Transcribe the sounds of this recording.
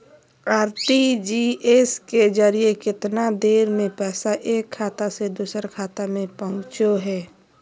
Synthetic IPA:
aːɾʈid͡ʒiʔesked͡ʒəɾijekɪt̪nad̪eːɾmẽpɛːsaʔeːkʰːaːt̪ased̪uːsəɾkʰaːt̪amẽpəɦʊ̃t͡ʃoɦɛː

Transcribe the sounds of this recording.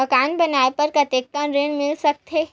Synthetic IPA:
ɐkaːnbɐnaːpɐɾkɐt̪eːk̚kənɾẽːnmɪlsɐk̚t̪eː

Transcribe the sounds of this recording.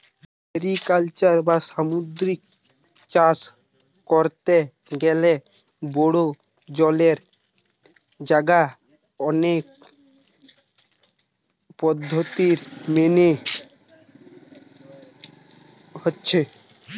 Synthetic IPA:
eɾikalt͡ɕaɾbasamud̪ɾik | t͡ʃas | koɾt̪eɡɛle | boɽo | d͡ʑɔleɾ | d͡ʑaɡa | ɔnek̚ | pɔd̪ʱːot̪iɾmene | hotːɕʰe

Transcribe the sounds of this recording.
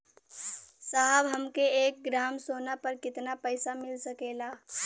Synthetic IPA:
saɦəbɦɐmkeeːk̚ɡɾaːmsoːnapɐɾkɪt̪napəɪsamɪlsɐkeːlaː

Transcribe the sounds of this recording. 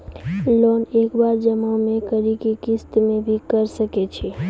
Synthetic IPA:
lonekbaɾd͡ʒəmamẽkəɾikikɪst̪mẽbʱikəɾsəket͡ʃʰe

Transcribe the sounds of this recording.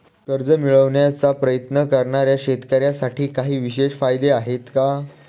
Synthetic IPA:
kəɾd͡zəmiɭəʋɳjat͡sapɾəjət̪nəkəɾɳaɾjaɕet̪kəɾjasaʈʰiːkaɦiːʋiɕeɕfajd̪eaɦet̪ka

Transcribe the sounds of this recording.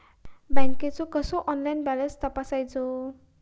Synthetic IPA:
baŋket͡sokʌsoʔɔnlajnbalʌnst̪ʌpasajd͡zo

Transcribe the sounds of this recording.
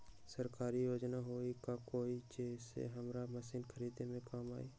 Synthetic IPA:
səɾkaːɾijoːd͡ʒnaɦoːikakoːit͡ʃeːsḛɦɐmɾamɐsiːnxʰəɾiːd̪emẽkamaːiː

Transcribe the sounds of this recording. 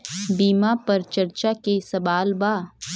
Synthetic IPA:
biːmapɐɾt͡ʃɐɾt͡ʃakesɐbaːlbaː

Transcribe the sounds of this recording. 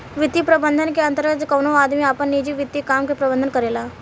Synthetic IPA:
ʋɪt̪ːipɾɐbə̃nd̪ʱənkeɐ̃nt̪əɾt̪kɐːnoaːd̪miaːpənːiːd͡ʒiʋɪt̪ːikaːmkepɾɐbənd̪ənkɐɾeːlaː

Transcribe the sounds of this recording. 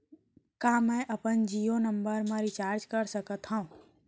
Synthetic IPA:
kaːmɛ̃ːʔəpənd͡ʒiːonə̃mbəɾmẽɾit͡ʃaːɾd͡ʒkəɾsəkət̪ɦãũː

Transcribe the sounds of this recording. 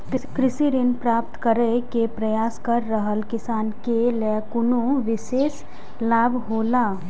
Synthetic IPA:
kɪkɾɪsiɾɪnpɾaːp̚t̪kəɾekepɾɐjaːskɐɾːəɦəlkɪsaːnkelɛkʊnõʋɪʃeːs | laːbʱɦoːlaː

